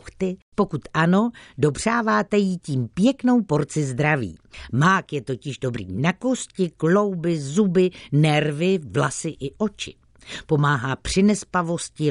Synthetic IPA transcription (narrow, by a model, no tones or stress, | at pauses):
xt̪ɪpo̞kut̪ʔano̞do̞br̝̥aːvaːt̪ɛjiciːmpjɛkno̞wpo̞ɾt͡sɪzd̪ɾavḭːmaːkjɛt̪o̞cɪʒdo̞bɾḭːnako̞scɪklo̞wbɪzubɪnɛɾvɪvlasɪʔɪʔo̞t͡ʃɪ̰ | po̞maːɦaːpr̝̥ɪnɛspavo̞scɪ